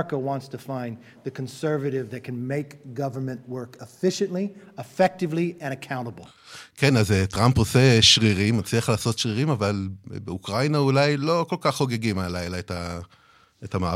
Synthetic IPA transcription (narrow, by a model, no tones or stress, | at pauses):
kəwɑ̃ntstʰəfãɪ̃n | ðɨkʰə̃nsɜ˞vɨɾɪvðɨt̚kʰɨ̃nmeɪkɡ̥ʌvə˞mɨ̃nʔwɜ˞kəfɪʃɨ̃nʔliəfɛk̚tɨvliɨ̃ɾ̃ɨkʰãʊ̃ɾ̃əbl̩ˠ | ke̞nazetʁampose̞ʃʁiʁimːat͡sliaχlaːso̞tʃʁiʁimavalbeukʁajnaulajlo̞ko̞lkaχːo̞ɡe̞ɡimalajlaeta | etamaː